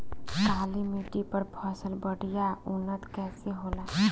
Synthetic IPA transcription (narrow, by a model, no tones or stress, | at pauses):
kaːlimiʈipɐɾpʰɔːsəlbəɽijaʊnːət̪kɛːseɦoːlaː